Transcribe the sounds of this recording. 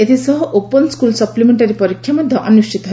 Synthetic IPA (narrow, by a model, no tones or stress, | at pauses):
et̪ʰisɔɦɔʔopənskulsɐplimeɳʈaɾipɔɾikʰjamɔd̪ʱjɔʔɔnuʂʈʰit̪ɦ